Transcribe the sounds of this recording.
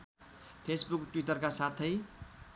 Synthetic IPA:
pʰesbukʈwiʈʌrkasat̪ʰʌj

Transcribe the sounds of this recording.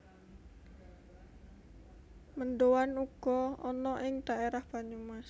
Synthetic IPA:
məndowanuɡ̥ɔɔnɔʔɪŋd̪̥aeɾahb̥aɲumas

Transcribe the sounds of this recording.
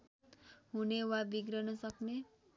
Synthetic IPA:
ɦunewabiɡɾʌnʌsʌkne

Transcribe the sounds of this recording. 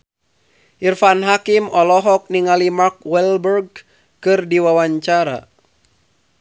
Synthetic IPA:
ʔirfanɦakimɔlɔɦɔk̚niŋalimark̚wɛlbərɡ̚ | kɨrdiwawaɲt͡ʃaɾa̰

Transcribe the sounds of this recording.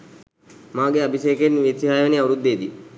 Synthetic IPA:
maːɡeabʱiseːkenʋiesiɦaːjʋəniauɾud̪ːeːd̪i

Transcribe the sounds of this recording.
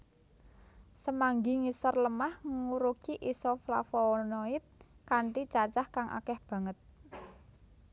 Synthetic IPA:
səmaŋɡiŋisɔrləmahŋəŋuɾukiʔisɔfla̰fɔnoit̪̚kaɳʈit͡ʃat͡ʃahkaŋʔa̰kɛhb̥ä̤ŋət̪̚

